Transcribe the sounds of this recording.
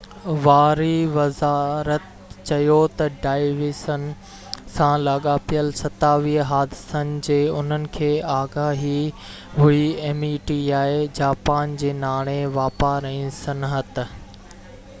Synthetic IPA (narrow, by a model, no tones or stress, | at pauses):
ʋaːɾiʋɐzaːɾət̪ | t͡ɕɐjot̪ɐɖaːɪʋisənɪ̆ | sãlaːɠapijəlsɐt̪aːʋiɦəɦaːd̪ɪsənɪ̆d͡ʑeːʊn̤ənɪ̆kʰeːaːɡaːɦi | ɦʊieːmiʈiːaːed͡ʑaːpaːnd͡ʑeːnaːɽ̃eʋaːpaɾɐĩsɐnɦət̪̆